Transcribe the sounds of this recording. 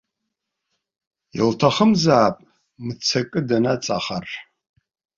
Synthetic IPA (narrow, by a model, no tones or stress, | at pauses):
jḭltʰaχəmzaːpʼ | mɨt͡sʰɐkʼɨdanat͡sʼaχar